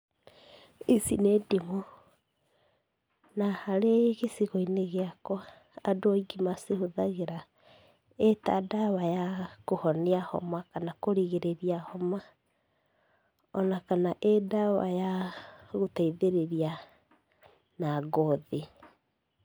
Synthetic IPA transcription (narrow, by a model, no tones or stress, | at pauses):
isinedimɔ | nahaɾeɣesiɣɔineɣeakɔ | adoɔiɡimasehoðaɣeɾa | eta̰dawajakohɔneahɔ̰makanakoɾiɣeɾeɾiahɔma | ɔnakanaʔedawa̰jaɣotaiðeɾeɾia | naɡɔðe